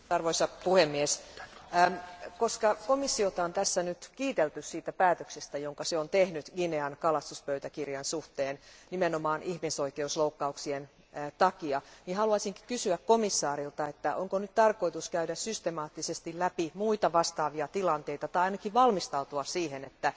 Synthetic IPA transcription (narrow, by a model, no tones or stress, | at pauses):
ɑrʋoisɑpuhemːiesː | koskɑkomisːiot̪ɑont̪æsːænyt̪kiːt̪elt̪yssiːt̪æpæːt̪øksest̪æjoŋkɑseont̪ehnyt̪ɡineɑnkɑlɑst̪uspøyt̪ækirjɑnsuht̪eːnnimenomɑːnʔihmisoikeusloukːɑuksien | t̪ɑkiɑnihɑluɑsiŋki̥kysyækkomisːɑːɾilt̪ɑet̪ːæʔoŋkonyt̪t̪ɑrkoit̪uskæydæssyst̪emɑːt̪ːisest̪illæpimuit̪ɑʋɑst̪ɑːʋiɑt̪ilɑnt̪eit̪ɑt̪ɑiɑinɑkiʋʋɑlmist̪ɑut̪uɑssiːhenet̪ːæ